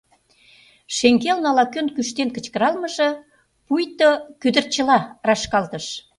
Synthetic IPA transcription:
ʃeŋɡelnɑlɑkønkyʃt̪enkə̆t͡ɕkəɾɑlmə̆ʒĕ | pujt̪okød̪ərt͡ɕə̆lɑrɑʃkɑlt̪əʃ

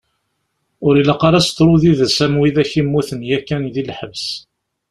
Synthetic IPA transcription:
ʊɾiləqːɑɾˤast̪ːɾˤuðiðæsæmwiðæçimːuθənjækːænðilħəvs

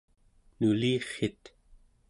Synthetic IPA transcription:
nuliːχet̪

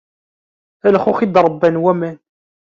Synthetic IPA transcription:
ælχuχid̪ɾˤəbːænwæmæn

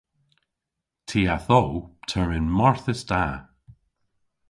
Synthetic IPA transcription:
tʰiːaθɔwtʰəɹɪnmɔɹθəsdaː

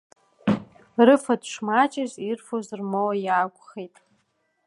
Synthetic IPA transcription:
rɨfadʂmat͡ʃʼazirfozrmowajaːɡʷʼχejtʼ

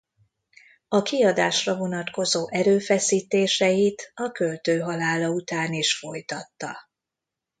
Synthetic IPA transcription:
ɒkiɒd̪aːʃrɒvo̞nɒt̪ko̞zoːʔɛɾøːfɛsiːt̪eːʃɛjit̪ɒkølt̪øːɦɒlaːlɒut̪aːniʃfo̞jt̪ɒt̪ːɒ

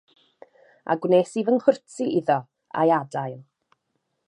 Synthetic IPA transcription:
ʔa̰ɡwneːsiːvənhʊrtʰiʔɪðɔ | a̰jadajlˠ

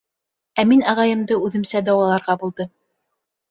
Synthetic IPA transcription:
æminɑʁɑjɤ̆md̪ɤʉðɘ̆msæd̪ɑwɑlˠɑɾʁɑbulˠd̪ɤ

